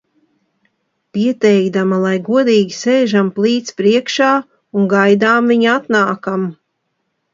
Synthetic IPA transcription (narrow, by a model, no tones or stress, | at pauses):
piɛt̪ɛjkd̪amalˠajɡuɔd̪iːɡʲiseːʒamplˠiːt̪spɾiɛkʃaː | unɡajd̪aːmviɲat̪naːkam